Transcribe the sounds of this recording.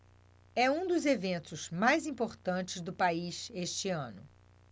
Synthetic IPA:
ɛũd̪ʊzevẽnt̪ʊzmajzĩmpoɾt̪ɐ̃t͡ʃɪzd̪ʊpaizeʃt͡ʃɪɐ̃nʊ̰

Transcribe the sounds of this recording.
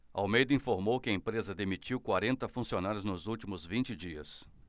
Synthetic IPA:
awmejd̪ɐĩfoɾmowkɪɐẽpɾezɐd̪emit͡ʃiwkwaɾẽnt̪ɐfũsionaɾjʊznʊzuwt͡ʃimʊzvĩnt͡ʃɪd͡ʒiɐ̰s

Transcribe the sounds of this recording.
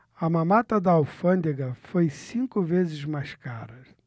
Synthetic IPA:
ɐmɐmat̪ɐd̪ɐawfɐ̃nd̪eɡɐfojsĩŋkʊvezɪzmajʃkaɾɐ

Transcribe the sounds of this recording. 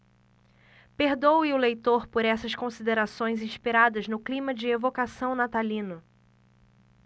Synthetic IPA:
peɾd̪owɪʊlejt̪oɾpoɾɛsɐskõsid̪eɾasõj̃zĩʃpiɾad̪ɐznʊklĩmɐd͡ʒɪevokasɐ̃w̃nat̪alĩnʊ

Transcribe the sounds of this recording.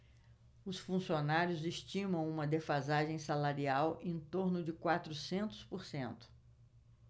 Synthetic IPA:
ʊsfũsionaɾjʊzeʃt͡ʃĩmɐ̃w̃ũmɐd̪efazaʒẽj̃salaɾiawʔẽñt̪oɾnʊd͡ʒɪkwat̪ɾʊsẽnt̪ʊ̥spoɾsẽnt̪ʊ̥

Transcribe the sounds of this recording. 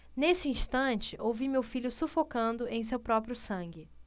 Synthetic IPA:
nesɪĩʃt̪ɐ̃t͡ʃɪʔowvimewfiʎʊsufokɐ̃nd̪ʊʔẽj̃s̬ewpɾɔpɾjʊsɐ̃ŋɡɪ

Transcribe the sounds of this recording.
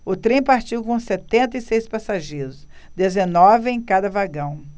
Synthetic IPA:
ʊt̪ɾẽj̃paɾt͡ʃiwkõset̪ẽnt̪ɐisejspasaʒeɾʊs | d̪ezenɔvɪẽj̃kad̪ɐvaɡɐ̃w̃

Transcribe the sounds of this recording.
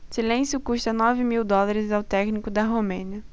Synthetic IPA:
silẽnsjʊkuʃt̪ɐnɔvɪmiwd̪ɔlˠaɾɪzawt̪ɛknikʊd̪ɐɦomẽniɐ

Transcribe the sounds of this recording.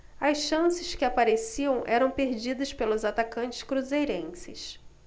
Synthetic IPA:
ɐsʃɐ̃sɪʃkɪapaɾesiɐ̃w̃ʔɛɾɐ̃w̃peɾd͡ʒid̪ɐspelʊzat̪akɐ̃nt͡ʃɪ̥skɾuzejɾẽsɪs

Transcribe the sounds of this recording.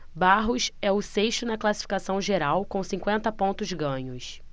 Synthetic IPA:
baɦʊsɛʊseʃt̪ʊnɐklasi̥fi̥kasɐ̃w̃ʒeɾawkõw̃sĩŋkwẽnt̪ɐpõnt̪ʊzɡɐ̃ɲʊs

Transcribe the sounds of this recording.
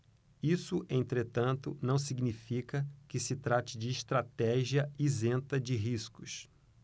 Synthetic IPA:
isʊʔẽnt̪ɾet̪ɐ̃nt̪ʊ̰nɐ̃w̃siɡnifikɐkɪsɪt̪ɾat͡ʃɪd͡ʒɪːʃt̪ɾat̪ɛʒiɐizẽnt̪ɐd͡ʒɪɦiskʊs

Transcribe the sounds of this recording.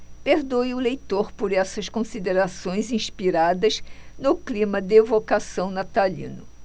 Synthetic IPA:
peɾd̪ojʊlejt̪oɾpoɾɛsɐskõsid̪eɾasõj̃zĩʃpiɾad̪ɐznʊklĩmɐd̪ɪevokasɐ̃w̃nat̪alḭ̃nʊ

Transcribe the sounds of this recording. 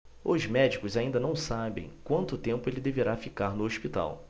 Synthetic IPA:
ʊzmɛd͡ʒikʊzaĩnd̪ɐnɐ̃w̃sabḛ̃j̃kwɐ̃nt̪ʊt̪ẽmpʊelɪd̪eveɾafikaɾnʊoʃpit̪a̰w

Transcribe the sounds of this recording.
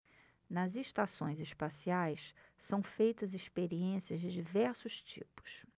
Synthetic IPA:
nɐzeʃt̪asõ̰j̃zɪʃpasiajssɐ̃w̃fejt̪ɐziʃpeɾiẽsiɐzd͡ʒɪd͡ʒivɛɾsʊʃt͡ʃḭpʊ̥s

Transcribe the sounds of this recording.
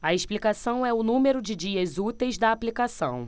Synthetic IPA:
ɐesplikasɐ̃w̃ɛʊnũmeɾʊd͡ʒɪd͡ʒiɐzut̪ejzd̪ɐːplikasɐ̰̃w̃

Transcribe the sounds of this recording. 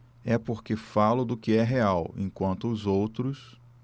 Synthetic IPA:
ɛpoɾkefalʊd̪ʊkɪɛɦeawḛ̃kwɐ̃nt̪ʊːzowt̪ɾʊs

